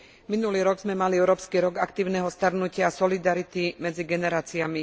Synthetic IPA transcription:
minuliːɾɔɡzmɛmaliɛʊɾɔːpskiɾɔɡakt̪iːʊnɛɦɔst̪aɾnucɪaːsɔlid̪aɾit̪imɛd͡ziɡɛnɛɾaːt͡siami

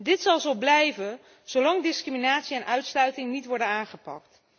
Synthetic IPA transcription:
dɪtsɑlˠzowblɛjvən | z̥owlɑŋdɪskriminaːtsiɛnʔœɥtslœɥtɪŋnitʋɔɹdənaːnχəpɑ̰kt

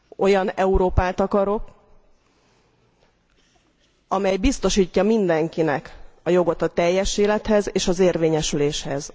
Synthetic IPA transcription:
o̞jɒnɛuɾoːpaːt̪ɒkɒɾo̞k | ɒmɛjbist̪o̞ʃiːcːɒmind̪ɛŋkinɛkɒjo̞ɡo̞t̪ɒt̪ɛjːɛʃeːlɛt̪hɛzeːʃɒzeːrveːɲɛʃyleːʃhɛz

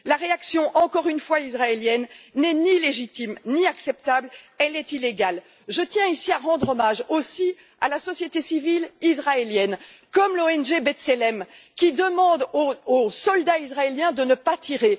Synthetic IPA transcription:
laʁeaksjɔ̃ʔɑ̃kɔʁynfwaizʁaeljɛnːɛnileʒit̪imniaksɛp̚t̪abl | ɛlɛt̪ileɡal | ʒət̪jɛ̃isiaʁɑ̃d̪ʁɔmaʒosi | a̰lasɔsjet̪esivilizʁaeljɛnkɔmloɛnʒebɛt̪selɛmkʲid̪əmɑ̃d̪oosɔld̪aizʁaeljɛ̃d̪ənəpat̪iʁe

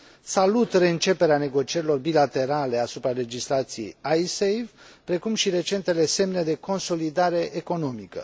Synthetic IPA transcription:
salut̪re̞ɨnt͡ʃe̞pe̞ɾeane̞ɡo̞t͡ʃie̞ɾilo̞rbilat̪e̞ɾale̞asupɾale̞d͡ʒislat̪sije̞̰jajsejvpɾe̞kumʃiɾe̞t͡ʃe̞nt̪e̞le̞se̞mne̞d̪e̞ko̞nso̞lid̪aɾe̞ʔeko̞no̞mikə̰

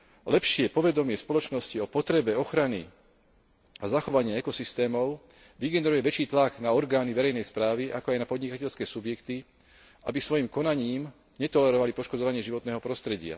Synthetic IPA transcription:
lɛpʃɪɛpɔʋɛd̪ɔmɪɛspɔlɔt͡ʃnɔsciɔpɔt̪ɾɛbɛɔxɾanḭ | azaxɔʋaɲɪaɛkɔsist̪ɛːmɔʊ | ʋiɡɛnɛɾujɛʋɛt͡ʃiːt̪laɡnaɔɾɡaːniʋɛɾɛjnɛjspɾaːʋiʔakɔajnapɔd̪ɲikacɛʎskɛːsubjɛkt̪i | ʔa̰bisʋɔjimkɔnaɲiːm | ɲɛt̪ɔlɛɾɔʋalipɔʃkɔd͡zɔʋaɲɪɛʒiʋɔt̪nɛːɦɔpɾɔst̪ɾɛɟɪa̰

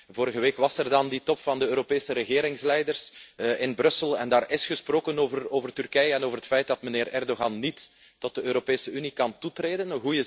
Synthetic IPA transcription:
voːɾəɣəʋeːkʋɑsɛrdɑnditɔpfɑndəøːɾopeːsəɾəɣeːɾɪŋslɛjdərsʔɪnbrɵsəlˠɛ̰ndaːrɪsxəsproːkənoːvəroːvərtyrkɛjəɛnoːvərɦətfɛjt̚dɑtməneːrɛrdoɣɑnːitː | ɔt̚dəøːɾopeːsəynikɑntutreːdənəɦujə

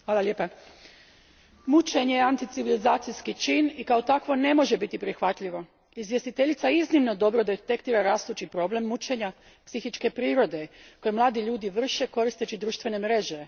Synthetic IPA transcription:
xaːlalʲeːpa | mut͡ʃeɲeant̪it̪siʋilizaːt̪sijskit͡ʃinikao̞t̪akʋo̞ne̞mo̞ʒe̞bit̪ipɾixʋat̪ʎiʋo̞ | izʋjest̪it̪e̞ʎit̪saiznimno̞d̪o̞bɾod̪et̪ekt̪iːɾaɾaːst̪ut͡ʃipɾo̞ble̞mːut͡ʃe̞ɲa | psixit͡ʃke̞pɾiːɾo̞d̪e̞ko̞jemlˠaːd̪iʎuːd̪iʋr̩ʃe̞ko̞ɾist̪et͡ʃid̪ɾuːʃt̪ʋe̞ne̞mɾe̞ʒe

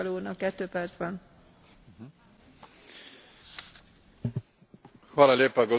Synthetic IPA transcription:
ɒloːnɒkːɛt̪ːøːpɛrd̪zbɛn | halaleːpaɡo

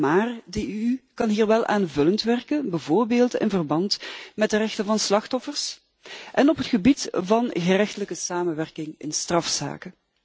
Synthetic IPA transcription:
maːrdəykɑnɦiːrʋɛlˠʔa̰ːnvɵləntʋɛrkənbəvoːrbeːlˠtɪ̰nvərbɑntmɛt̚dərɛxtənvɑnslɑxtɔfərs | ʔɛnɔpɦətxəbitvɑnɣərɛxtələkəsaːmənʋɛrkɪŋɪ̰nstrɑfsa̰ːkə

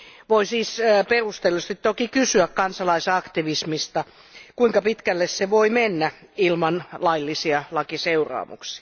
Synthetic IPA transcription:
ʋoisiːsperust̪elːist̪it̪t̪okikysyækkɑnsɑlɑisɑkt̪iʋismist̪ɑ | kuiŋkɑpit̪kælːesseʋoimenːæilmɑnlɑilːisiɑlɑkiseurɑ̰ːmṵksi̥ɑ

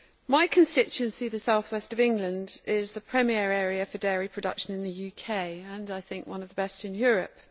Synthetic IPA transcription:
maɪkʰə̃nstɪt͡ʃʉə̃nsiðəsaʊθwɛstəvɪ̃ŋɡlə̃ndɪzðəpʰɹ̥ɛmiɛɹɛːɹiəfədɛːɹipʰɹ̥ədʌ̰kʃə̃nɪ̃nðəjʉːkʰeɪə̃naɪθɪ̃ŋkwʌ̃nəvðəbɛstɪ̃njɔːɹəp̚

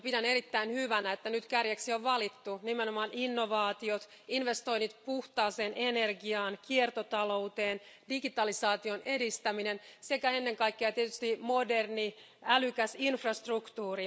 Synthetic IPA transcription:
pidæneɾit̪ːæinhyʋænæet̪ːænyt̪kærjæksioʋʋɑlit̪ːunimenomɑːnʔinːoʋɑːt̪iot̪ | inʋest̪o̞ijnːit̪puht̪ɑːseːnʔenerɡiɑːnkiert̪ot̪ɑlo̞ut̪eːndiɡit̪ɑlisɑːt̪ionedist̪æminense̞kæenːe̞ŋkɑikːeɑt̪iet̪yst̪imoderni | ælykæsinfrɑst̪rukt̪uːri

